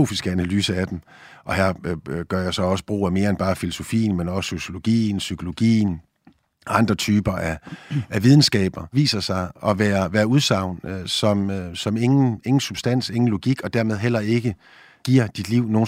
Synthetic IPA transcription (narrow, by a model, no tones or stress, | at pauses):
o̝̰ːfisɡ̥əænælyːsəæd̥em | ʔɒ̽hæɐ̰ɡ̥ɶɐjɑ̈ɪsɒ̽ɒ̽sə̥b̥ʁo̰ːæme̝ːɐenb̥ɑ̈ːfilo̝so̝fḭːn̩menɒ̽sso̝ɕjo̝lo̝ɡ̥ḭːn̩sykʰo̝lo̝ɡ̥ḭːn | ɑ̈nd̥ʁɐt͡sʰyːb̥ɐʔææʋið̞ˠn̩sɡ̥ɛ̰ːb̥ɐʋḭːsɐsɑ̈ɪʔɒ̽ʋæːɐʋæːɐuð̞ˠsɑ̈ʊ̰nsɒ̽møsɒ̽meŋn̩e̝ŋn̩sub̥sd̥æn̰se̝ŋn̩lo̝ɡ̥iɡ̥ɒ̽d̥æɐ̰með̞ˠɦel̰ɐe̝ɡ̥ə | ɡ̥iɐ̰d̥id̥liʊ̰no̝ː